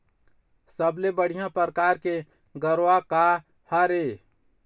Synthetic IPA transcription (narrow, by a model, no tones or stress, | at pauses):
səblebəɽ̤ijãpəɾəkaːɾke | ɡəɾʋaka | haɾe